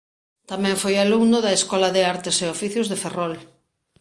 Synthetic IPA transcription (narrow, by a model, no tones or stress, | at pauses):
t̪amɛ̃ɱfojaluŋnʊðɐeskɔlɐðeaɾt̪eseofiθjʊzðeferɔl